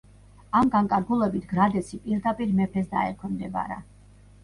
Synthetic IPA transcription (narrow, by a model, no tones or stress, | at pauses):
amɡaŋkʼaɾɡulˠɛbit̪ʰɡɾad̪ɛsipʼiɾd̪apʼiɾmɛpʰɛsd̪a̰ɛkʰɛmd̪ɛba̰ɾa̰